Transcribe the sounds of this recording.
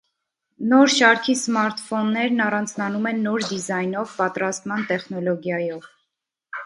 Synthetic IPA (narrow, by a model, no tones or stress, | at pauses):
nɔɾʃɑɾkʰismɑɾt̪fɔnːɛɾnɑrɑnt͡sʰnɑnumɛnːɔɾd̪izɑjnɔvpɑt̪ɾɑst̪mɑnt̪ɛχnɔlɔɡjɑjɔv